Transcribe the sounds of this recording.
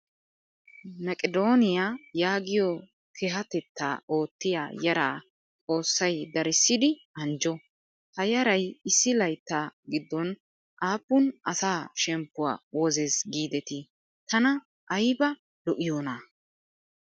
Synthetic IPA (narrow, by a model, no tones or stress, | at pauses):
mɐkʼɛd̪o̞ːnɪjaːjaːɡɪjɔ | kʰɛɦɐt̪ɛt̪ːaːo̞ːt̪ːɪja̰ːjɐɾaː | t͡sʼo̞ːsːɐjd̪ɐɾɪsːɪd̪ɪɐnd͡ʒɔ | hɐjɐɾɐjɪsːɪlɐjt̪ːaːɡɪd̪ːɔn | ʔaːpːʊnɐsaːʃɛmpːʊwa̰ːwɔzezɡiːd̪ɛt̪ɪ | t̪ɐnɐ | ʔːjbɐ | lɔʔɪjoːna